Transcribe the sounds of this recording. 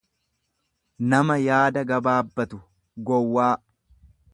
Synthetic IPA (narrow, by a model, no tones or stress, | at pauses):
nɐmɐjaːd̪ɐɡɐbaːbːɐt̪ʊ | ɡɔwːaː